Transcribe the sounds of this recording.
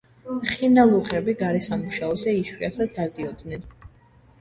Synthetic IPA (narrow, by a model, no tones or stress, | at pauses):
χinalˠuʁɛbiɡaɾɛsamuʃaɔzɛiʃwiasʰad̪ad̪iɔd̪nɛn